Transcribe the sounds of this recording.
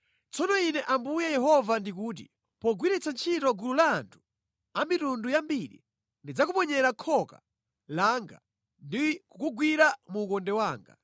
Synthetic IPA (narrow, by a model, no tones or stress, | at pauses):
t͡sɔnɔinɛʔambujɛjɛɦɔvandik̬uːt̬ḭ | pɔɡwiɾɛt͡sant͡ʃʰitɔɡululaːntʰu̥ | amitundujambiɗḭ | ndid͡zakupɔɲɛɾakʰɔka̰ | laŋɡa̰ | ndikukuɡwiɾamuːkɔndɛwaːŋɡa̰